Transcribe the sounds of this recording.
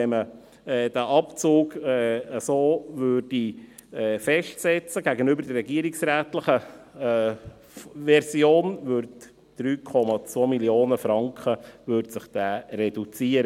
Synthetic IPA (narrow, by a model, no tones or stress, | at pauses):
ɛmə | ɛːd̥æʔɑpt͡suːɡɛəsoːvøːɾd̥i | ɛfɛʃtsɛt͡səɡæɡənʏbəɾdɛrːɛɡiəɾiksɾæːt̪ləχə | ʋɛɾsjoːnvøɾt | d̥ɾyːkʰɔmɑt͡sʋoːmiljoːnəfɾɑŋkχəvøɾtsəχd̥æːrɛd̥ut͡siəɾə